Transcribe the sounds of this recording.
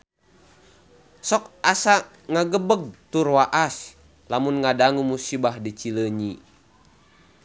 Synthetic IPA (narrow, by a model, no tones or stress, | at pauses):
sɔkasa | ŋaɡəbəɡ̚t̪uɾwaʔas | lamunŋadaŋumusibahdit͡ʃiləɲi